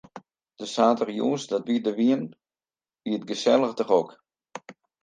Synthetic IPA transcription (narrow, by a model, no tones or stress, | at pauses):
d̥əsaːtərjuːsdɔtʋiədəʋiən | ʋiətɡəsɛlˠəxtəχok